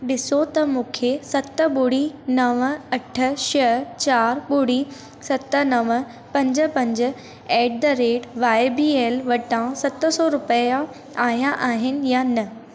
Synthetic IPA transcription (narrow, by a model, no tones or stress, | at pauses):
ɗɪsot̪ɐmũːkʰesɐt̪ə̆ɓʊɽinɐʋɐʈʰə̆ʃɐt͡ɕaːɾɓʊɽi | sɐt̪̆nɐʋ | pɐ̃ɲd͡ʑə̆pɐ̃ɲd͡ʑə̆ | ɛːʈ̚d̪ɐɾeːʈʋaːɪbiːeːlʋɐʈãsɐt̪̆sɔɾʊpəja | aːɦjãʔaːɦɪnɪ̆janɐ